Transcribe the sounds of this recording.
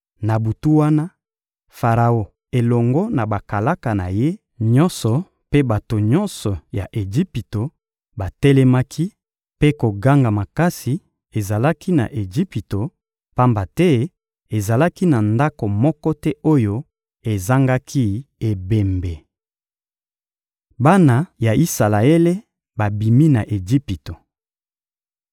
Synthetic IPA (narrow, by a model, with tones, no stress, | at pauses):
na˨bu˨tu˦wa˦na˦ | fa˨ʁa˨o˦ | e˨lɔ˨ŋɡɔ˦na˨ba˨ka˨la˦ka˨na˨je˦ | ɲɔ˦nsɔ˨ | pe˦ba˨to˨ɲɔ̃˦nsɔ˨ja̰˨ʔe˨d͡ʒi˦pi˨to˨ | ba˨tɛ˦lɛ˦ma˦kʰi˦ | pe˦ko˨ɡa˦ŋɡa˨ma˨ka˦si˨ | e˨za˨la˦ki˦na̰˨ʔe˨ʒi˦pi˨to˨ | pa˦mba˨tɛ˦ | e˨za˨la˦ki˦na˨nda˦ko˨mɔ˦kɔ˦tɛ˦o˦jo˦ | e˨za˦ŋɡa˦kʰi˦e˨be˨mbe˨ | ba˦na˨ja˨i˦sa˨la˨e˦le˦ | ba˨bi˨mi˦na˨ʔe˨d͡ʒi˦pi˨to˨